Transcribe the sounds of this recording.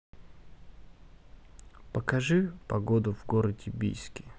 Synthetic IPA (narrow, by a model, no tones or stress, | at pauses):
pəkɐʐɨpɐɡod̪ʊvɡoɾədʲɪbʲḭjskʲɪ